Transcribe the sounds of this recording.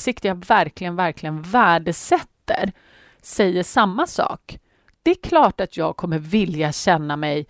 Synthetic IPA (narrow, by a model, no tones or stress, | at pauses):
sɪkt̪əjavæɾklɪɡənvæɾklɪɡənvæːɖəsɛt̪ːə̰ɾ | sɛjːəʂamːasɑ̰ːk | d̪̥ɛɾkʰlɑːʈat̪jɑːɡ̚kʰɔmːəɾvɪljaɕɛnːamɛj